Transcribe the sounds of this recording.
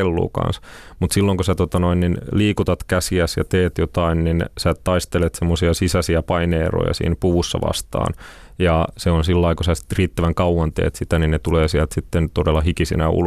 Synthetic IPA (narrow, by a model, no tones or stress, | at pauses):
elːṵːkɑ̰nsmut̪silːoŋkosæt̪ot̪ɑnoinninliːkut̪ɑt̪kæsiæsjɑ̰t̪eːt̪jot̪ɑinninsæːtt̪ɑist̪elet̪semːosiɑsisæsiæpɑineːro̰jɑ̰sḭːnpuʋusːɑ̰ʋɑ̰st̪ɑ̰ːn | jɑseonsilːɑikosæsriːt̪ːæʋæŋkɑwwɑnt̪ḛːt̪sit̪æninnet̪uleːsiælt̪sit̪ːent̪odelːɑhikisḭnæ̰ṵl